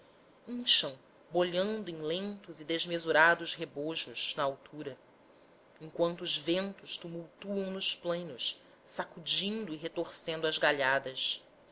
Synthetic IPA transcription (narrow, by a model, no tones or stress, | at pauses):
ĩʃɐ̃w̃ | boʎɐ̃nd̪ʊẽj̃lẽnt̪ʊzɪd̪ezmezuɾad̪ʊzɦeboʒʊʃnɐawt̪ʰuɾɐ | ẽŋ̃kwɐ̃nt̪ʊːzvẽnt̪ʊʃt̪umuwt̪uɐ̃w̃nʊʃplẽj̃nʊʃ | sakud͡ʒĩnd̪ʊiɦet̪oɾsẽnd̪ʊɐzɡaʎad̪ɐs